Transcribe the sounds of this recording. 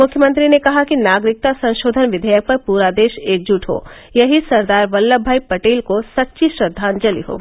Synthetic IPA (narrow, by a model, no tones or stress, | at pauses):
mʊkʰjəmə̃nt̪ɾinekɐɦakinaːɡɾɪk̚t̪asɐ̃ʃoːd̪ʱənʋɪd̪ʱəjək̚pɐɾpuːɾad̪eːʃeːk̚d͡ʒuʈʰɦo̰ː | jɐɦisɐɾd̪aːɾʋɐlːəbʱːaːipɐʈeːlkosɐtːʃiʃɾɐd̪ʱːaːnd͡ʒɐlḭɦo̰ː